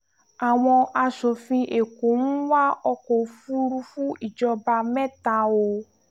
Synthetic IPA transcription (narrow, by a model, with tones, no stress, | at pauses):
a˨w̃ɔ̃˧a˧ʃo˨fĩ˧ʔe˨ko˨˦n̩˦wa˦ɔ˧kɔ˨˦fu˦ɾu˧fu˦i˦˨d͡ʒɔ˧ba˧mɛ̃˦ta˧o˧